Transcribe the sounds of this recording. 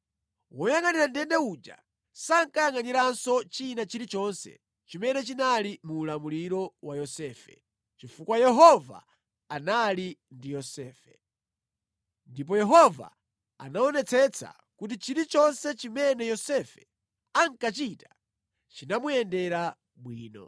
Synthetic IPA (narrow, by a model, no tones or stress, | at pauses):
wɔjaŋaniɾandɛndɛud͡ʒa̰ | saŋkajaŋaniɾansɔt͡ʃinat͡ʃiɾit͡ʃɔnsɛ̰ | t͡ʃimɛnɛt͡ʃinalimuːlamuliɾɔwajɔsɛːfɛ̰ | t͡ʃifukwajɛɦɔva̰ | analindijɔsɛːfɛ | ndip̬ɔjɛɦɔva̰ | a̰naɔnɛt͡sʰɛt͡sʰa̰ | kut̬it͡ʃiɾit͡ʃɔnsɛt͡ʃimɛnɛjɔsɛfɛ̥ | aŋkat͡ʃita | t͡ʃinamujɛndɛɾa | ɓwiːnɔ̰